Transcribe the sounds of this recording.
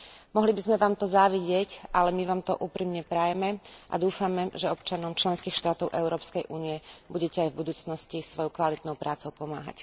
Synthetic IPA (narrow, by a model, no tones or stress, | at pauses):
mɔɦlibizmɛʋaːmt̪ɔzaʋiɟɪɛcʔalɛmiʋaːmt̪ɔ̰ʔuːpɾiːmɲɛpɾajɛmɛʔa̰d̪uːfamɛʒɛɔp̚t͡ʃanɔmt͡ʃlɛnskiːxʃt̪aːt̪ɔʊʔɛʊɾɔːpskɛjʔṵːnijɛbuɟɛcɛajvbud̪uːt͡snɔscisʋɔjɔʊkʋalit̪nɔʊpɾʔaːt͡sɔʊpɔma̰ːɦa̰c